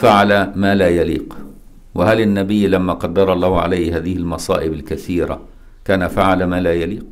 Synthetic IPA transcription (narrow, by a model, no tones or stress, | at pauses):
faʕalamaːlaːjalḭːq | wɪhalɪnːabɪjːlamːaːqɑd̪ːɑɾˤɑlˤːɑːhʕa̰lajhhaːðɪhɪlmɑsˤɑ̰ːʔɪbalkaθiːɾa̰ | kaːnafaʕalamaːlaːjaliːq